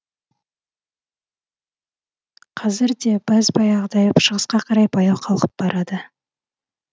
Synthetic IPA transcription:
qʰɑzɪɾd̪ebæzbɑjɑʁd̪ɑjəpʃəʁəsqɑqʰɑɾɑjbʰɑjɑwqʰɑlˠqə̥p̚bɑɾɑd̪ə

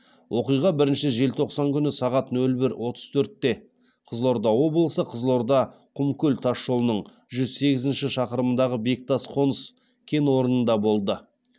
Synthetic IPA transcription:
wʔo̞qijʁɑbɪɾɪnʃɪʒe̞lt̪ʰo̞qsɑŋkʲʏnɪsɑʁɑt̪nɵlbɪɾwo̞t̪ʰə̥zt̪ʰɵɾt̪ːe̞ | qʰəzlˠo̞ɾd̪ɑwo̞blˠəsəqʰəzlˠo̞ɾd̪ɑqʰʊmkʲɵlt̪ʰɑʃːo̞lˠənəɴ | ʒʏzse̞ɡʲɪzɪnʃɪʃɑqəɾəmənd̪ɑʁəbek̚t̪ɑsqʰo̞nəs | kʲʰe̞nwo̞ɾənənd̪ɑbo̞lˠd̪ə

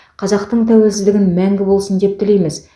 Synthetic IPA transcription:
qʰɑzɑqt̪əɴt̪ʰæwe̞lsɪzd̪ɪɡʲɪnmæŋɡʲɪbo̞lˠsənd̪e̞p̚t̪ɪle̞jmɪz

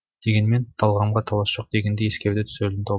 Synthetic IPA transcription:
d̪̥e̞ɡʲe̞nme̞nt̪ʰɑlˠʁɑmʁɑt̪ʰɑlˠɑsʒ̥o̞q̚d̪e̞ɡʲe̞nd̪ejeskʲe̞ɾd̪ɪt̪ʰʏ̥selɪnt̪ʰo

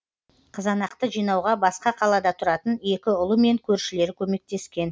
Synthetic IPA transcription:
qʰəzɑnɑqt̪əʒijnɑwʁɑbɑsqɑqʰɑlˠɑd̪ɑt̪ʰʊɾɑt̪əne̞kʲɪʊlˠəme̞ŋkʲʰɵɾʃɪle̞ɾɪkʲʰɵme̞k̚t̪e̞skʲe̞n

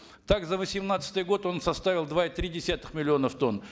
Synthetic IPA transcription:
t̪akzəvəsʲɪmnat̪sə̥t̪ɨjəɡo̞t̪o̞nsɐst̪avʲɪlˠd̪vaɪt̪ɾʲidʲɪsʲat̪ə̥xmʲɪlʲɪo̞nəft̪o̞n

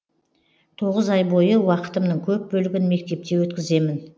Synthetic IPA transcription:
t̪ʰo̞ʁəzɑjbo̞jəwɑqə̥t̪əmnəɴkʲʰɵp̚bɵlɪɡʲɪnme̞k̚t̪e̞p̚t̪e̞wɵt̪kʲɪze̞mɪn

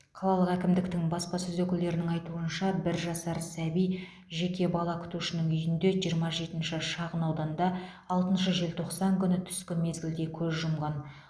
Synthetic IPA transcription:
qʰɑlˠɑlˠəqækʲɪmd̪ɪk̚t̪ɪŋbɑspɑsɪzwɵkʲɪld̪e̞ɾɪnɪŋɑjt̪uənʃɑbɪɾʒɑsɑɾsæbij | ʒe̞kʲe̞bɑlˠɑkʲʰʏ̥t̪uʃɪnɪŋʏjɪnd̪e̞ʒijəɾmɑʒe̞t̪ɪnʃɪʃɑʁənɑwd̪ɑnd̪ɑː | lˠt̪ənʃəʒe̞lt̪ʰo̞qsɑŋkʲʰʏnɪt̪ʰʏ̥skʲɪme̞zɡʲɪld̪e̞kʲʰɵzʒʊmʁɑn

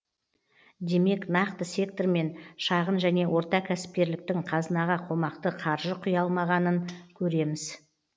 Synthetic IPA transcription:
d̪e̞me̞knɑqt̪əse̞k̚t̪orme̞nʃɑʁənʒæne̞wʔo̞ɾt̪ɑkʲʰæsɪ̥p̚k̪ʲe̞ɾlɪk̚t̪ɪŋqʰɑzənɑʁɑqʰo̞mɑqt̪əqʰɑɾʒəqʰʊjɑlˠmɑʁɑnəŋkʲʰɵɾe̞mɪz̥

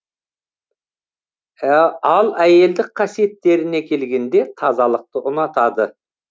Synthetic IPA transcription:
ɑlˠæje̞ld̪ɪk̚qʰɑsije̞t̪ːe̞ɾɪne̞kʲʰe̞lɡʲe̞nd̪e̞t̪ʰɑzɑlˠəq̚t̪əʔʊnɑt̪ɑd̪ə

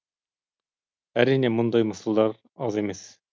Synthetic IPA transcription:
æɾinæmond̪ɑjmɤ̆sɑ̆lˠd̪ɑɾ | ɑðemes

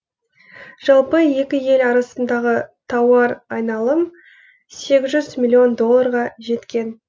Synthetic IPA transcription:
ʒ̥ɑlˠpəje̞kʲɪje̞lɑɾɑsənd̪ɑʁət̪ʰɑwɑɾɑjnɑlˠəm | se̞ɡʲɪzʒʏzmʲilʲːio̞nd̪o̞lˠːaɾʁɑʒe̞t̪kʲe̞n

